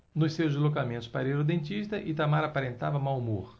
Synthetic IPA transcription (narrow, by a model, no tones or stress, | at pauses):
nʊssewzizlokamẽnt̪ʊ̥spaɾeɾod̪ẽnt͡ʃ̪iʃt̪ɐʔɪt̪amaɾapaɾẽnt̪avɐmawmoɾ